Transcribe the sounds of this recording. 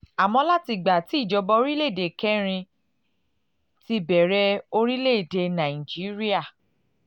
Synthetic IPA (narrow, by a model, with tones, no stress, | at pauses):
a˨mɔ̃˧la˦ti˧ɡ͡ba˨ti˨˦i˦˨d͡ʒɔ˧bɔ˧o˧˦ɾi˦le˦˨de˨kɛ˦ɾ̃ĩ˧ | ti˧bɛ˨ɾɛ˦o˧ɾi˦le˦˨de˧˨nã˨ĩ˨d͡ʒi˨˦ɾi˦a˦˨